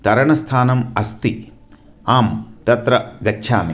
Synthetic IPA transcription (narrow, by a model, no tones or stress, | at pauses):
t̪ɐɾɐɳɐst̪ʰaːnɐmɐst̪i | aːmt̪ɐt̪ɾɐɡɐtːʃʰa̰ːmi